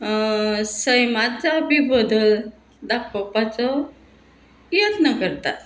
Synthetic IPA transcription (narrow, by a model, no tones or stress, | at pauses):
səjmat͡sabibəd̪əl | d̪akpəpat͡sɔ | jət̪nəkəɾt̪a̰t̪